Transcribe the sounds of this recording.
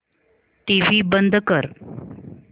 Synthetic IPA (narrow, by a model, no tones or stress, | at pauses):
ʈ̪iʋiːbənd̪ʱkəɾ